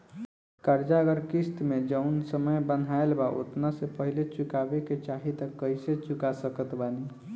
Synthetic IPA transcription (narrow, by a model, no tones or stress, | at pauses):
kəɾd͡ʒaɡəɾkist̪med͡ʒəʊnsəməjbənaelbaʔo̰t̪nasepəɦilet͡ʃukabeket͡ʃaɦit̪əkːəiset͡ʃukasəkət̪bani